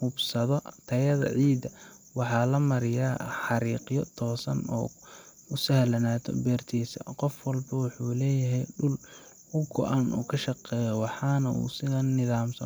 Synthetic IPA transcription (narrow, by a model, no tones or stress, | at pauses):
hʊbsɐðɔt̪ʰɐjɐðɐ̰ʕiːd̪ɐ | wɑħɑːlɐmɐɾɪjaːħɑɾiːqjɔt̪ʰɔːsɐ̰nɔ̰ː | ʊsɐhlɐnaːt̪ʰɔ̰bɛːrt̪ʰiːsɐ̰qɔfwɐlbɐwʊħuːlɛːjɐɦɛjɖʊl | hʊɡɔ̰ʔanṵːkʰɐʃɑqɛːjɔwɑħɑnɐʔṵːsɪðɐnːɪðaːmsɐ